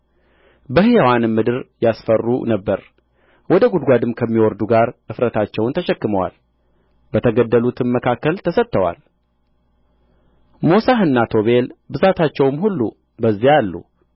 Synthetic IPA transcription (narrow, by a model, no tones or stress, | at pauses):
bəhijwanmːɨd̪ɨɾjasfərːṵnəbːəɾ | wɔd̪əɡud̪ɡʷad̪ɨmkʰəmːiwɔɾd̪uɡaɾʔɨfɾət̪ʰat͡ʃːɛwnt̪ʰəʃɛkːɨməwa̰l | bət̪ʰəɡəd̪ːəlut̪ʰɨnməkʰakːəlt̪ʰəsət̪ːəwa̰l | mosaɦɨnːat̪ʰo̞βe̞lbɨzat̪ʰat͡ʃːɛwmhulːṵ | bəzːijalːṵ